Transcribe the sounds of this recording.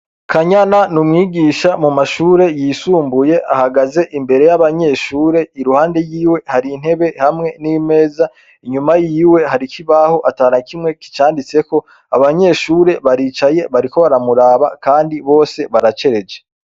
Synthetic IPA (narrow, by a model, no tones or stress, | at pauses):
kʰaɲananumŋiːɡiːʃamumaʃuːɾe̞jisuːmbuje̞ʔahaɡaze̞ʔimbe̞ɾe̞jaβaɲe̞ʃuːɾe̞iɾuhaːnde̞jiːwe̞haɾin̥he̞βe̞hamŋe̞nime̞ːza | iɲumajiːwe̞haɾikʰiβaho̞ʔataːɾakʰimŋe̞ki̥t͡ʃaːndit͡se̞ko̞ | a̰βaɲe̞ʃuːɾe̞βaɾiːt͡ʃaje̞βaɾiko̞βaɾamuɾaːβakaːndiβo̞ːse̞βaɾat͡ʃe̞ɾe̞d͡ʒe